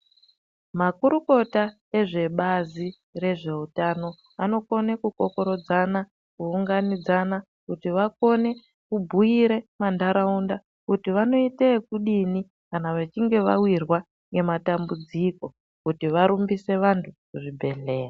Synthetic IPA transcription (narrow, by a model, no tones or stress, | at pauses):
makuɾuko̞ta | e̞ʐe̞ɓazi | re̞ʐe̞utano̞ | ano̞ko̞ne̞kuko̞ko̞ɾo̞d͡zana | kuuŋɡanid͡zana | kutiʋako̞ne̞ | kubʱujiɾe̞mandaɾaunda | kutiʋano̞itekuɗini | kanaʋat͡ʃiŋɡe̞ʋa̰wirwa | ŋɡe̞matambud͡ziko̞ | kutiʋaɾumbise̞ʋantʰukuʐibʱe̞ɬe̞ːra